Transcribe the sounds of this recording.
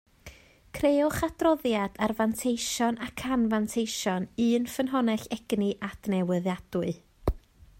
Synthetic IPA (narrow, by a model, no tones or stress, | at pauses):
kʰrejʊχadrɔðjad̥arvantʰejʃɔnakʰanvantʰejʃɔnɨːnfənɦɔnɛɬɛɡ̥niʔad̥nɛwəðjad̥ʊɨ